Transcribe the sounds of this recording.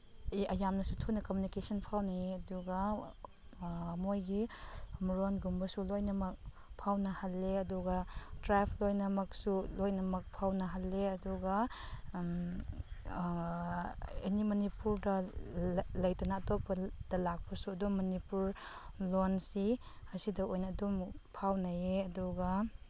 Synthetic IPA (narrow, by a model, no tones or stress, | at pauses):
ɐjamnɐsutʰunɐkomunikesɐnpʰawnajɐduɡɐ | mojɡimɾonɡumbɐsulojnɐmɐk̚ | pʰawnɐhɐlːeɐduɡɐdɾapʰlojnɐmɐk̚sulojnɐmɐk̚pʰawnɐɦɐlːeɐduɡɐ | ḛnimɐnipuɾdɐ | lɐjtɐnaːtopɐd̥ɐlak̚pɐsuɐdumːɐnipuɾ | lonsi | ɐsidɐojnɐːdumpʰawnɐjeɐduɡa